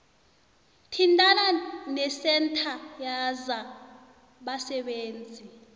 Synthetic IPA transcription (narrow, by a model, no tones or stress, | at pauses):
tʰindʱʼalanɛsɛntʰajaza | ɓasɛɓeːnd͡zʱi